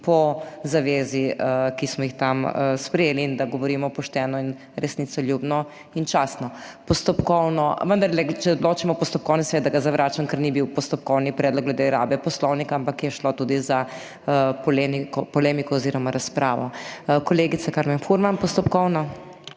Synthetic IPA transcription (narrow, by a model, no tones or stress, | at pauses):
pɔzaʋeːzikismɔjixt̪aməspɾɛjeːliːnd̪aɡɔʋɔɾiːmɔpɔʃt̪ɛːnɔin | ɾʔɛsniːt̪sɔljubnɔ | int͡ʃaːsnɔpɔst̪ɔpkɔwnɔʋənd̪aɾlɛt͡ʃɛod̪loːt͡ʃimɔpɔst̪ɔp̚kɔwnɛsʋɛd̪aɡazaʋɾʔaːt͡ʃankɐɾnibiwpɔst̪ɔp̚kɔwnipɾɛd̪lɔkɡlɛd̪eɾa̰ːbɛpɔslɔwnikaampakjɛʃlɔt̪uːd̪iza | pɔlemikɔpɔleːmikɔːziːɾɔmaɾaspɾʔaːʋɔ̰kɔleːɡit̪sakaɾmɛnfuɾmanpɔst̪ɔpkɔwnɔ